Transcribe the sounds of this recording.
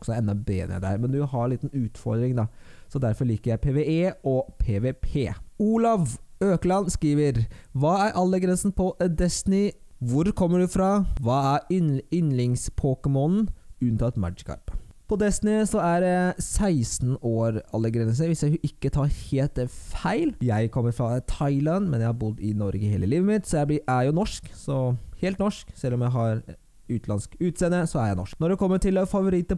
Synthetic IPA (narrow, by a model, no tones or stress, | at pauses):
ɔksɔɛnd̪ɑbḛːd̪ɛ̰d̪ɛæɾmɛnd̪ʉɦɑɭiːt̪n̩ʉːt̪fɔɾd̪ɾɪŋd̪ɑsɔd̪æɾfɔɾɭiːkəɾjæɪpʰeːʋeʔeːɔpʰeːʋepʰeːuːlɑʋøːklɑnskɾiːʋəɾʋɑːæɾʔɑlːəɡɾɛnsn̩pʰɔd̪ɛsnɪʋʊɾkʰɔmːəɖʉfɾɑʋɑːæɾɪnlɪŋspʰoːkəmɔnn̩ʉnt̪ɑɛt̪mæ̰kʰɑ̰ɾppʰɔd̪ɛsnɪsɔæɖɛsæɪsn̩oːɾɑlːəɡɾɛns̬əʋɪsjæɪʔɪkːət̪ʰɑːɾheːlt̪fæɪljæɪkʰɔmːəɾfɾɑt̪ʰɑɪlɑnmɛnjæɪhɑɾbʊd̪ːɪnɔɾɡəheːləliːʋəmɪt̪sɔjæɪblɪæjʊnɔʂksɔheːlt̪nɔʂksɛlːɔmjæɪɦɑɾ | ʉːt̪ʰlɑnskʉːt̪seːnːəsɔæjæɪnɔ̰ʂknɔɖɛkʰɔmːəʈɪlfɑʋʊɾɪt̪ːə